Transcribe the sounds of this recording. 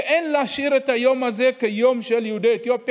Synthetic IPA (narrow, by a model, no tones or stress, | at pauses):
ʔenleaʃiʁet̪ajo̞maze̞kejo̞mʃeljeud̪eet̪jop